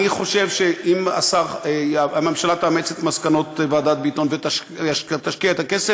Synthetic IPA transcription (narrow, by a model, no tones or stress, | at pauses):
iχo̞ʃevʃeʔima̰saχaamemʃalat̪aːmet͡set̪maskano̞t̪vead̪at̪̚beit̪o̞nvet̪aaʃt̪aʃkiaet̪akese